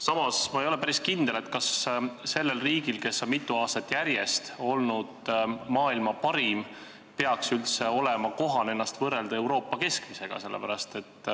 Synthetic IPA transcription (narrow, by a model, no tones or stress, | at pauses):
sɑmɑsmɑejo̞le̞pæɾiskind̪ele̞t̪kɑsse̞lːe̞lriːɡilke̞sːo̞nmit̪ːˑuɑːst̪ɑt̪ːˑjæɾje̞st̪o̞lnud̪̥mɑːilmɑpɑɾim | peɑksylt̪se̞o̞lɛmɑko̞ɦɑne̞nːɑst̪vɤrːe̞ld̪̥ɑe̞wɾo̞ːpːɑke̞skmise̞ɡ̥ɑ̰se̞lːḛpæɾɑst̪e̞t̪ː